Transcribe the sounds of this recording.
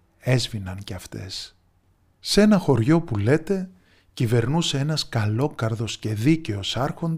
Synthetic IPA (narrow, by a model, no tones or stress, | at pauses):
e̞zvinɐŋceɐft̪e̞s | se̞nɐxo̞ɾʝo̞pule̞t̪e̞ | cive̞ɾnuseenɐskɐlo̞kɐɾðo̞sce̞ðice̞o̞sɐɾxo̞nd̪